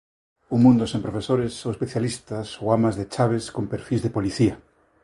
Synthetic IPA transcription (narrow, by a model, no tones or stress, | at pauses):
uŋmũnd̪osẽmpɾofesoɾesowespeθjalist̪asowamazðet͡ʃaβ̞eskompeɾfizðepoliθia